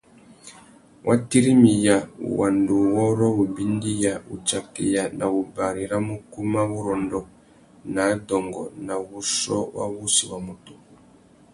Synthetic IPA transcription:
wʔa˦ti˦ɾi˦mi˨ja˨ṵ˨wa˨ndu˨wɔ˦ɾɔ˦u˨bi˦ndi˦ja˨ṵ˨t͡ʃa˨kḭ˨ja˨na˨βu˨ba˨ɾi˨ɾa˦mu˦ku˦ma˦βu˦ɾɔ˨ndɔ˨ | na˨˦dɔ˨ŋɡɔ̰˨na˨βu˦ʃɔ̰˦wa̰˦βu˦si˨wa˨mu˨tu˨

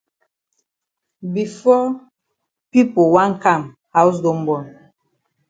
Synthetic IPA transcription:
bi˨fɔ˦ | pi˦po˨wã˦ŋka˦˨m | ha˦ws̬do˦mbɔ˨n

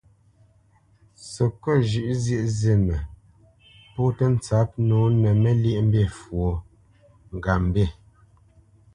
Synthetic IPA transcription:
sə˨kɔ˦˨ʒʉ˨ʔzje˦˨ʔze˨mə˨ | po˦tə˦n̩˦t͡sa˨˦p̚noː˨˦nə˨mɛ˦lji˦ʔm̩˦be˦˨fwo˨ | ŋ̩˨ɡa˨m˨be˦˨

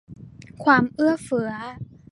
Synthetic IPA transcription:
kʰwaː˧mʔɯ˥˩ɐfɯ˩˦ɐ

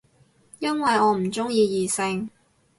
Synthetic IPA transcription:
jɐ˥nwɐ˨jɔː˨˧m̩˨˩t͡sʊ˥ŋjiː˧jiː˨˩sɪ˧ŋ

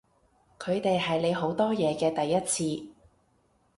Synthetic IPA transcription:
kʰɵ˨˧ɥt̪e˨jɦɐ˨jle˨˧jɦo˨˥wt̪ɔː˥jɛː˨˧kɛː˧t̪ɐ˨jːɐ˥t̚t͡sʰiː˧

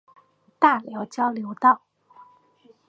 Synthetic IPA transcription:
t̪a˥˩ljɑ˧˥ʊt͡ɕjɑ˥ʊljo˧˥ʊt̪ɑ˥˩ʊ

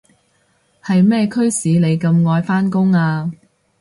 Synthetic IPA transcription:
hɐ˨jmɛː˥˩kʰɵ˥ɥsiː˨˧le˨˧jkɐ˧mŋɔː˧jfaː˥nkʊ˥ŋaː˧

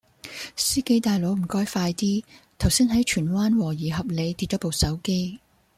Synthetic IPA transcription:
siː˥ke˨˥jt̪aː˨jlo˨˥wm̩˨˩kɔː˥jfaː˧jt̪iː˥t̪ʰɐ˨˩wsiː˥nɦɐ˨˥jt͡ʃʰyː˨˩nwaː˥nwɔː˨˩jiː˨˩ɦɐ˨p̚le˨˧jt̪i˧t̚t͡ʃɔː˨˥po˨˧wsɐ˨˥wke˥j

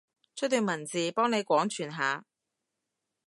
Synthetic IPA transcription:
t͡ʃʰɵ˥t̚t̪ːyː˨˧nmɐ˨˩nt͡siː˨pɔː˥ŋne˨˧jkʷɔː˨˥ŋt͡ʃʰyː˨˩nɦaː˨˧

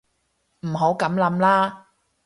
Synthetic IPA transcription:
m̩˨˩ɦo˨˥wkɐ˨˧˥mlɐ˨˥mlaː˥

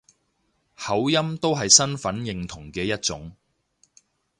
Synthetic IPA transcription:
hɐ˨˥wjɐ˥mt̪o˥wɦɐ˨jsɐ˥nfɐ˨˥njɪ˨ŋt̪ʰʊ˨˩ŋkɛː˧jɐ˥t̚t͡sʊ˨˥ŋ

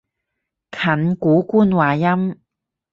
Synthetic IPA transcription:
kʰɐ˨˩nkuː˨˥kuː˥nwaː˨jɐ˥m

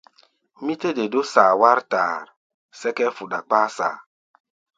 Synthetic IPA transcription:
mi˦te˦de˨do˦saː˨wa˦ɾta˨ɾ | sɛ˦kɛ˦fu˨da˨k͡paː˦sa̰ː˨

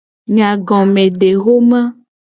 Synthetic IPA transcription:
ɲã˨ɡɔ̃˨mẽ˨ɖe˨ɣo˦mã˦

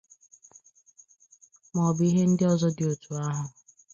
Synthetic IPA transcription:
mɔ˨bi˦ɦe˦n̩˦dɪ˦ɔ˨zɔ˦dɪ˨o˨tʰu˨a˦ɦʊ˨

